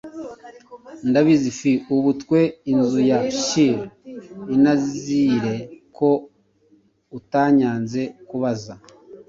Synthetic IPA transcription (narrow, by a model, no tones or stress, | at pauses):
ndaβizifiuβutkwe̞inzujaʃiɾinazziɾe̞kʰo̞ | utaɲaːnze̞kuβaza